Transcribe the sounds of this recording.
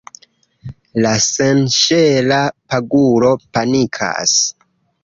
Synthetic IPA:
lasenʃelapaɡuɾo̞panikʰa̰s

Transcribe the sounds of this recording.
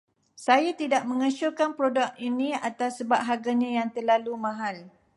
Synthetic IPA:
sajat̪idaʔ̚mə̃ŋət͡ʃukanpɾodakinĩa̰t̪asːəbap̚ɦaɡaɲãjaŋt̪ərlalumãɦal

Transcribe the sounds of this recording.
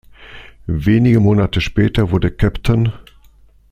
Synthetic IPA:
veːnɪɡəmoːnatəʃpɛːtɐvʊɐdəkʰɛptʰən

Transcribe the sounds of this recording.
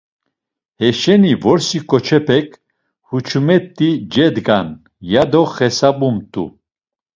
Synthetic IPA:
hɛʃɛnivɔɾsikʼɔt͡ʃʰɛpʰɛk̚ʰʼ | hut͡ʃʰumɛt̪ʼːid͡ʒɛd̪ɡan | jad̪ɔχɛsabumt̪ʼṵ

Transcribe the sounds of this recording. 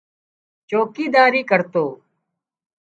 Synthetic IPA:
t͡ʃoːkiːd̪aːɾiːkəɾt̪oː

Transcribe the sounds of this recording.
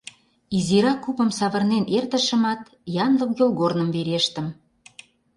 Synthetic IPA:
iziɾɑkupə̆msɑβə̆rnenert̪ə̆ʃə̆mɑt̪ | jɑnləkjolˠɣornə̆mveɾeʃt̪ə̆m

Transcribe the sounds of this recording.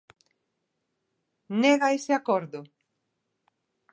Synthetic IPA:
neɣaeseakoɾðʊ

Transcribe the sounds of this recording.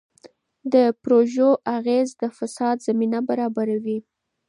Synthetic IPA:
d̪əpɾoʒoʔaɣezd̪əfasɑd̪zaminabaɾɑbaɾawi

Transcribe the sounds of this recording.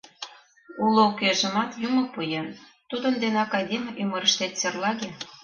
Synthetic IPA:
ulookeʒə̆mɑt̪jumopujen | t̪ud̪ənd̪enɑkɑjd̪emyməɾəʃt̪et̪serlɑɣe

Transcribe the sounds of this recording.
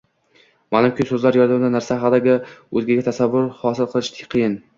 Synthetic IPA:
manʊmkʰʲɪsɵzlaɾjɒɾad̪amd̪anaɾsaɦad̪aɡʲɪɵzɡʲɪɡʲat̪ʰasavːʊɾhɒsɪlˠqʰɨlˠɪʃt̪ʰɪ̥qʰɨjɪn

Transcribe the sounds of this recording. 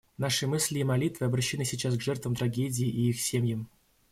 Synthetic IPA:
naʂɨmɨsʲlʲɪːmɐlʲit̪vɨɐbɾɐɕːɪnɨsʲɪt͡ɕasɡʐɛrt̪vəmt̪ɾɐɡʲedʲɪːʔiixsʲemʲjəm

